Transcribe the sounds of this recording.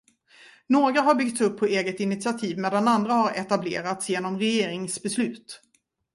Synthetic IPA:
noːɡɾaɦaɾbʏɡ̚t̪sɵpʰːɔeːɡət̪ɪnɪt̪sɪat̪ʰiːvmeːd̪anand̪ɾahaɾɛt̪ablḛːɾat̪sjeːnɔmɾɛjeːɾɪŋsbɛslʉ̟ːt̪

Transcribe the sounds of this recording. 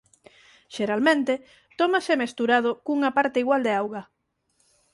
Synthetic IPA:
ʃeɾalmẽnt̪e | t̪ɔmasemest̪uɾað̞ʊkuŋapaɾt̪eiɣwald̪eawɣa

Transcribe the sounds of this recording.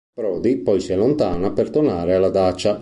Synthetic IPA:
pɾɔːd̪ipɔjsiɛlːont̪aːnapert̪onaːɾealːad̪at͡ʃːa

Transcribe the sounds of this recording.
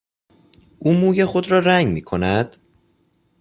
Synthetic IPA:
ʔuːmuːjexo̞d̪ɾɒːɾæŋɡmiːkʰo̞næd̪̥

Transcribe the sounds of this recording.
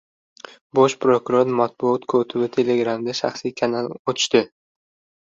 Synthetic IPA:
boʃpɾokʊɾoɾmat̪̚bʊɒt̪kʰot̪ʰɪbɪt̪ʰe̞le̞ɡɾamd̪aʃa̰χsijkʰanalot̪ʰʊ̥ʃt̪ɪ

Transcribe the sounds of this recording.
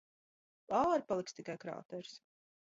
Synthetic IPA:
aːɾpalˠikst̪ikajkɾa̰ːt̪ɛɾs

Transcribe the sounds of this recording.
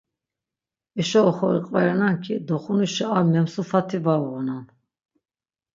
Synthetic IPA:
iʃɔːχɔiqʼvaɾɛnaŋkʰid̪ɔχunuʃɛaɾmɛmsufat̪ʰivauɣɔnan

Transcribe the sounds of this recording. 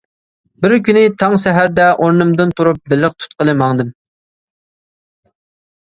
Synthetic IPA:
bɪɾkʲynɪt̪ʰɑŋsɛɦæɾd̪ɛʔoɾnɨmd̪ɨnt̪ʰuɾup̚bɪlːəq̚t̪ʰu̥t̪̚qəlˠɨmɑŋd̪ɨm

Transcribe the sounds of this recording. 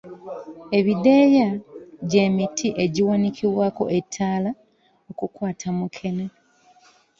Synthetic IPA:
e̞βideːjaɟe̞ːmitʰiʔe̞ɟiwaniciβwaːko̞̰ʔetʰːaːla | okukwaːtʰamukʰe̞ne

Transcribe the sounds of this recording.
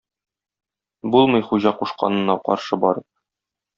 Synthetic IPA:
bulˠmɤ̆jχuʑɑquʃqɑ̰nɤ̆nːɑqɒ̰ɾʃɤbɒɾɤp̚

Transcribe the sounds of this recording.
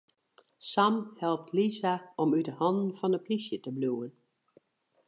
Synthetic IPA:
samhɛlˠp̚tʰlizaɔmydəhɑndn̩fɔnəplisjətəbluːən

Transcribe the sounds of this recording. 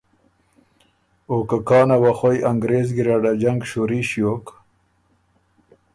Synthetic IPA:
okakɑːnawaχojaŋɡɾeːzɡiɾaɖad͡ʑaŋɡɕuɾiɕjoːk

